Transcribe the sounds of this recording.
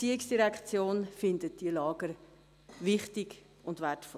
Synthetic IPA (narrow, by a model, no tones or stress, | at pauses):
t͡siːiksd̥iɾɛkt͡sjoːnfɪndət̚d̥ilɑːɡ̥əɾ | vɪχtɪɡ | ʊndvɛtfɔ